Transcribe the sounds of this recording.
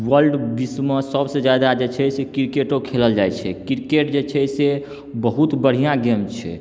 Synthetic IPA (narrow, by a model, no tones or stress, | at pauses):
wəɾɖbismə̃səbsə̃d͡ʒjad̪ad͡ʒet͡ʃʰɛsekiɾkeʈokʰeləld͡ʒajt͡ʃʰɛkiɾkeʈ̚d͡ʒet͡ʃʰɛse | bəɦut̪bəɽ̤ijãɡemt͡ʃʰɛ̰